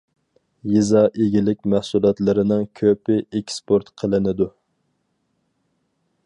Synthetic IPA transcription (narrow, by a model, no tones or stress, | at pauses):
jizɑʔeɡʲilɪkʲmæhsulˠɑt̪lˠɨɾɪnɨŋkʲʰøpɪekʲspʰoɾt̪qʰəlˠɨnɪd̪u